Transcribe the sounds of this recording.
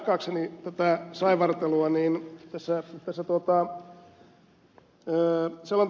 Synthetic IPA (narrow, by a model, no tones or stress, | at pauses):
kːˑɑːksenit̪æt̪æsɑiʋɑrt̪eluɑniːnt̪æsːæt̪æsːæt̪uot̪ɑ | əːselːon